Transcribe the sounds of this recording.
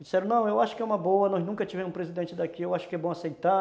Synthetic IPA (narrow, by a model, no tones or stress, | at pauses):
d͡ʒisɛɾõnɐ̃w̃ewaʃʊ̥kɪɛũmɐboɐnɔznũkɐt͡ʃivẽmʊspɾezid̪ẽnt͡ʃɪd̪akiewaʃʊ̥kɪɛbõasejt̪a